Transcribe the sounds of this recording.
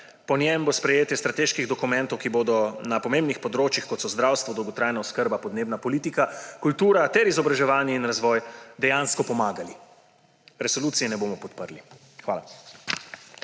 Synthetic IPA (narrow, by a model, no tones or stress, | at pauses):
pɔnjɛmbospɾɛjeːt̪jɛst̪ɾat̪eːʃkiɣd̪ɔkumɛ̃nt̪ɔwkiboːd̪ɔnapɔmẽmbnixpɔd̪ɾoːt͡ʃjixkɔt̪sɔzd̪ɾawst̪ʋɔd̪ɔwɡɔt̪ɾaːjnaɔskəɾbapɔd̪neːbnapɔliːt̪ikakult̪uːɾat̪ɛɾizɔbɾaʒɛʋaːnjɛinɾazʋɔjd̪ɛjaːnskɔpɔmaːɡali | ɾɛsɔluːt̪sijɛnɛboːmɔpɔt̪pəɾli | xʋa̰ːla